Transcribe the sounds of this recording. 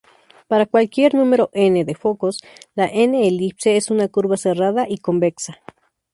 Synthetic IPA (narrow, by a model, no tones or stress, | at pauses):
paɾakwalkjeɾnumeɾoʔeneðefokoslaʔeneːlipseesunakuɾβaseraðaʔikombeksa